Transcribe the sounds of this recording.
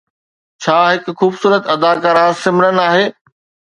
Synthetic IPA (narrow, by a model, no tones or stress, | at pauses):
t͡ɕʰaːɦɪkxuːbsuːɾət̪ɐd̪aːkəɾãːsɪmɪnənaːɦeː